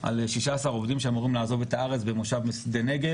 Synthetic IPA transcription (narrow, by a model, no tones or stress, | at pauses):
ʔa̰lʃiʃaːsaʁo̞vd̪imʃeamuʁimlaːzo̞ve̞t̪aaʁet͡sbemuʃavmesd̪eneɡe